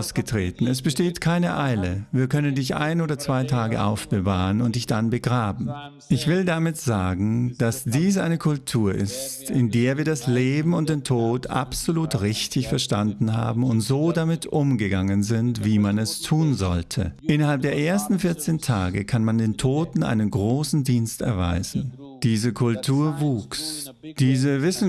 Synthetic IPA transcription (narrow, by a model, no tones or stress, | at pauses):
ʊsɡ̥ətʁ̥ḛːtn̩ɛsb̥əʃteːtkʰaɪnəʔaɪləviːɐkʰœnəndɪçʔa̰ɪnoːdɐt͡sv̥aɪtʰaːɡə̰ʔa̰ʊfb̥əva̰ːʁənʊnt̚d̥ɪçd̥anbəɡʁaːbm̩ | ʔɪçv̥ɪldamɪtz̥aːɡŋ̩d̥asd̥iːs̬ʔa̰ɪnəkʰʊltʰuːɐʔɪ̰stɪndeːɐviːɐdasleːbm̩ʊnt̚d̥eːntʰoːtʔa̰pz̥oluːtʁɪçtɪçfɛɐʃtandn̩ha̰ːbm̩ʊntz̥oːdamɪtʰʔʊmɡəɡaŋənzɪntv̥iːmanɛstʰuːnzɔ̰ltʰə̰ʔɪnɐhalp̚d̥eːɐʔeːɐstn̩fɪɐt͡seːntʰa̰ːɡəkʰanmandeːntʰoːtn̩ʔa̰ɪnənɡʁoːsn̩diːnstɛ̰ɐva̰ɪzn̩ | d̥iːzəkʰʊltʰuːɐvuːks | d̥iːzəvɪsn̩